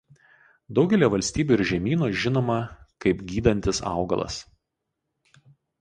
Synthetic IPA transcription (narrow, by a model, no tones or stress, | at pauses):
d̪ɒʊɡʲɛlʲiːʋɐlʲsʲt̪ʲiːbʲuːɪɾʒʲɛmʲiːnoːʒʲɪnoːmɐkɐɪpɡʲiːd̪ɐnʲt̪ʲɪsɑ̰ˑʊɡɐ̰lˠɐ̰s